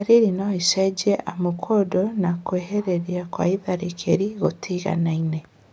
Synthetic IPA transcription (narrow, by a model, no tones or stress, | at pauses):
ɾiɾinoiʃed͡ʒeʔamokʰodonakweɦeɾeɾiakwa̰iðaɾekʰeɾiɣotʰiɣa̰naine